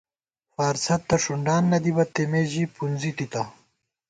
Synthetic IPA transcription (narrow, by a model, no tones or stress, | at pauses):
faːɾsɐt̪ːɐʂuɳɖaːnːɐd̪ibɐt̪emeːʑipunzit̪it̪ɐ